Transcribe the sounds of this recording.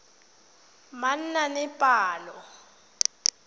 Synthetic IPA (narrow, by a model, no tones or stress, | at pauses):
man̩nanɛpʼaːlɔ